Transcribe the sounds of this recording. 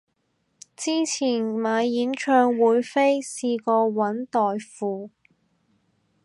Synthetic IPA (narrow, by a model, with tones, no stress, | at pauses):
t͡siː˥t͡sʰiː˨˩nmaː˨˧jjiː˨˥nt͡ʃʰœː˧ŋwuː˨˥jfe˥jsiː˧kɔː˧wɐ˨˥nt̪ɔː˨jfuː˨˧